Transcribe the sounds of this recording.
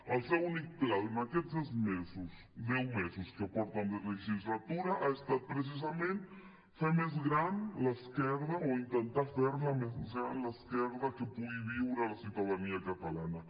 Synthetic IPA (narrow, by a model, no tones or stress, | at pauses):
als̬eunikplanaket̪sezmesos | d̪ewmesoskeapoɾt̪and̪elexist̪ɾat̪uɾaʔaest̪at̪̚pɾes̬is̬amẽnt̪e | femezɣɾanlaeskeɾðaoint̪ent̪aɾfeɾlamessanlaeskeɾðakepuiβiwɾalasuðaðaniakat̪alana